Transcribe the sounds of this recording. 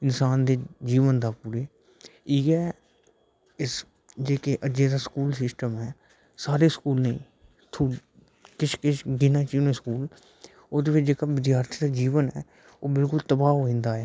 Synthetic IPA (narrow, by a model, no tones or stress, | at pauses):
ɪnsaːnd̪eːd͡ʒiːʋənd̪aːpuɾeː | iːɡɛː | ɪs | d͡ʒeːkeʔəd͡ʒeːd̪aːskuːlsɪsʈəmɦɛː | saːɾeːskuːlnəḭ̃ː | t̪ʰu | kɪt͡ʃʰkɪt͡ʃɡɪnaːt͡ʃiːnẽskuːl | ʊd̪eːʋɪt͡ʃʰd͡ʒeːkaːʋɪd̪jaːɾt̪ʰid̪aːd͡ʒiːʋənɦɛː | oːbɪlkʊlt̪əbaːɦoːẽːnd̪aːɦɛː